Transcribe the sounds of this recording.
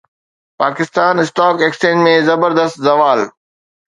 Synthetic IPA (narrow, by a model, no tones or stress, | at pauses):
paːkɪst̪aːnɪsʈɔːkeːkst͡ɕẽːmẽzɐbəɾd̪əst̪zɐʋaːl